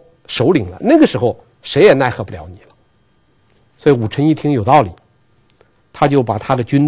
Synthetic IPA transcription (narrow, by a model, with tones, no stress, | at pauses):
ʂo˧˥ʊli˨˩ŋlə̰˦na˥˩ɡə˩ʂɻ̩˧˥xo˧ʊ | ʂe˧˥ɪjɛ˨˩na˥˩ɪxɤ˧˥pu˧ljɑ˧˥ʊni˨˩lə˦ | swɔ˧˥i˧˩u˨˩ʈ͡ʂʰə˧˥ŋi˥˩t̪ʰi˧˥ŋjo˨˩ʊt̪ɑ˥˩ʊli˨˩˦ | t̪ʰa˥t͡ɕjo˥˩ʊpa˨˩t̪ʰa˥d̪ə˨t͡ɕy˥n